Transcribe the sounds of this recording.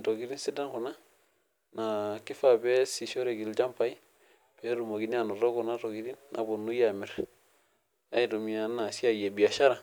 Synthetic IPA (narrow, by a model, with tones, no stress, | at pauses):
to˨ɡi˦ɾi˦nsi˦da˦nku˨na˦ | na˨ki˦fa˨be˦si˨ʃo˦ɾe˨ɡi˨ld͡ʒa˦mpa˨i˦ | pe˦ɾu˨mo˨ɡi˦ni˦a˨nu˨ɾo˦ku˨na˦to˨ɡi˨ɾi˦nːʔa˨bo˨nːu˦jami˨ɾ | a˦i˨tumi˨a˨na˨si˦a˦je˨bi˨a˨ʃa˦ɾa˨